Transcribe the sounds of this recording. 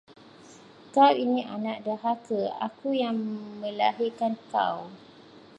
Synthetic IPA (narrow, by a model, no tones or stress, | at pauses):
kawinĩʔanaʔdəɦakəa̰kujaŋmə̃la̰ɦikanka̰w